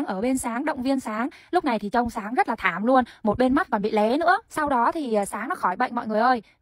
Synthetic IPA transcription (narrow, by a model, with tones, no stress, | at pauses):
ŋʔəː˧˩ɓe˧nsaː˨˦ŋɗə̰˧˨wŋ͡mvi˧ənsaː˨˦ŋ | lʊ˦˥k͡p̚na˨˩jt̪ʰi˨˩t͡ɕə˧wŋ͡msaː˨˦ŋzə˦˥t̚laː˨˩t̪ʰaː˧˩mlu˧ənmo˨˩t̚ɓe˧nma˦˥t̚kɔ˨˩nɓḭ˧˨lɛ˨˦nɨ̰˧˥əsa˧wɗɔ˨˦t̪ʰi˨˩˨saː˨˦ŋnɔ˨˦xɔ˧˩jɓə̰˧˨jŋmɔ̰˧˨jŋɨ˨˩əjʔəː˧j